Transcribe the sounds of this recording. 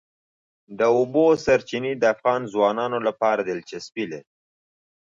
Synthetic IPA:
d̪əobosaɾt͡ʃinid̪əafɣɑnzwɑnɑnolapɑɾad̪ɪlt͡ʃaspileɾi

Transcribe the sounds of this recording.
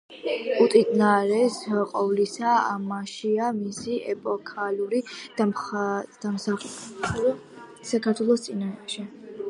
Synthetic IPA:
ut̪ʼid̪naɾɛsqʼɔvlisaa̰maʃiamisiɛpʼɔkʰaluɾi̥ad̪̥amsaχ | sakʰaɾt̪ʰwɛlˠɔst̪sʼinaʃɛ

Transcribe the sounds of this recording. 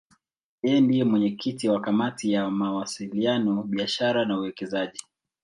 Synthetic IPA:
jɛɛndijɛmwɛɲɛkʰitiwakamatijamawasilianɔɓiaʃaɾanauwɛkɛzaʄi

